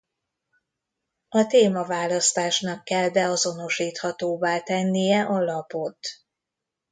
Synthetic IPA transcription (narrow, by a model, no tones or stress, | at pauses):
ɒt̪eːmɒvaːlɒst̪aːʃnɒkːɛld̪ɛɒzo̞no̞ʃiːt̪hɒt̪oːbaːt̪ɛnːijɛʔɒlɒpo̞t̪